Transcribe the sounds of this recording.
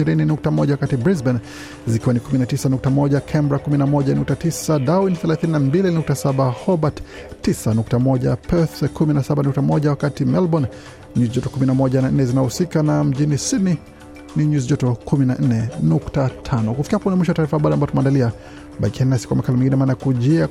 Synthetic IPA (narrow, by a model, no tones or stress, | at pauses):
iɾininuk̚tamɔʄawakatibɾizbɛn | zikiwanikuminatisanuk̚tamɔɟakʰɛmbɾakuminamɔʄanuk̚tatisadawinθɛlaθininambilinuk̚tasaɓahɔbatː | isanuk̚tamɔʄapɛθkuminasaɓanuk̚tamɔʄawakatimɛlbɔn | ɲuzʄɔtɔkuminamɔʄanan̩nɛzinausikanam̩ʄinisidni | niɲuzd͡ʒɔtɔkʰuminan̩nɛnuktatʰanɔkufikihapɔunamwiʃɔwataːɾifaɓadɔambaɔtumaːndalia | ɓajkʰɛnnasi̥kwa̰makalimɛŋɡinɛmaːnajakuʄia